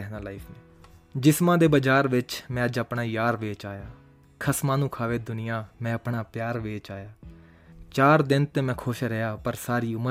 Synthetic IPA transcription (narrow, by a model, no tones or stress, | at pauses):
ɛɦnaːlaːɪpʰneː | d͡ʒɪsmãːd̪eːbəd͡ʒaːɾʋɪt͡ʃmɛ̃ːəd͡ʒapɳaːjaːɾʋeːt͡ʃaːjaː | kʰəsmãːnũːkʰaːʋeːd̪ʊnɪjãːmɛ̃ːəpɳaːpjaːɾʋeːt͡ʃaːjaː | t͡ʃaːɾd̪ɪnt̪ẽːmɛ̃ːkʰʊʃɾɛaːpəɾsaːɾiːʊmə